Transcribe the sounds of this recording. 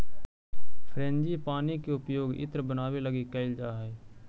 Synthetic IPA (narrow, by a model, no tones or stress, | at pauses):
pʰɾẽːnd͡ʒipaːnikeʊpjoːɡɪ̰t̪ɾbənaːʋeləɡikəɪld͡ʒaːɦɛː